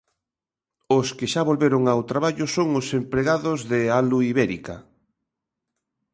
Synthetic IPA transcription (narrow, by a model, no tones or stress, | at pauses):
ʊskɪʃaβolβeɾoŋawt̪ɾaβaʎʊsoŋʊsempɾeɣaðozðealuiβɛɾḭka̰